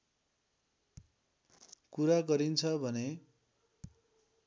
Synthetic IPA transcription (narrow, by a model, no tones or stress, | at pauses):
kuɾaɡʌɾint͡sʰʌbʱʌne